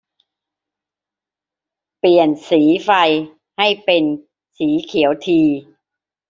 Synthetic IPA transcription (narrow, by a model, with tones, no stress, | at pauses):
pli˨˩ənsiː˩˦fa˧j | ha˥˩jpe˧n | siː˩˦kʰi˨˩˦əwt̪ʰiː˧